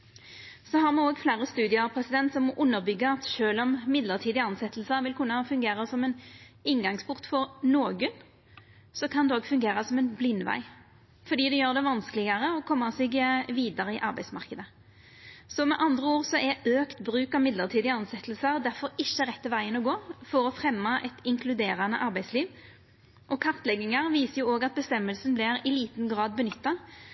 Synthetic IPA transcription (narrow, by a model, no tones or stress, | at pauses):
sɔɦɑʁmɛoːɡflæːʁəst̪ʉːd̪ɪəʁpʰɾɛsɪd̪ɛnt̪sɔmɔʔʊnːəɾbʏɡːəɑt̪ʃøːlɔmmɪd̪ləʁt̪ʰiːd̪ɪɑnsɛt̪ːəl̩səʋɪlkʰʉnːɑfʉŋɡeːʁəsɔmɛn | ɪŋɡɑŋspʰʊʁt̪fɔɾnoːɡən | sɔkʰɑnd̪ɛoːɡfʉŋɡeːʁəsɔmɛnblɪnːʋæ̰ɪ | fɔɾd̪iːd̪ɛjøːʁd̪ɛʋɑnskəlɪɡəʁəɔkʰɔmːɑsɛɡʋiːd̪ɑɾəɪʔɑʁbæɪsmɑʁkəd̪ə | sɔmɛʔɑnd̪ʁəuːʁsɔʔɛøːkt̪bɾʉːkɑʋmɪd̪ləʁt̪ʰiːd̪ɪɑnsɛt̪əlsɑʁd̪æʁfɔɾɪçːəʁɛt̪ːəʋæɪənɔɡoːfɔɾɔfʁɛmːɑʔɛt̪ɪŋkʰlʉd̪eːʁɑnəʔɑʁbæɪsliːʋ | ʔɔkʰɑʁt̪lɛɡːɪŋɑʁʋiːsəjʊoːɡɑt̪̚bəst̪ɛmːəlsn̩blɪɾɪliːt̪n̩ɡʁɑːd̪̚bənʏt̪ːɑ